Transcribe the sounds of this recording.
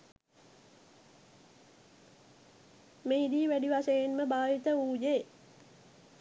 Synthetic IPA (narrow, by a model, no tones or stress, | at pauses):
meid̪iːʋæɖiʋasəjenməbaːʋit̪əuːd͡ʒe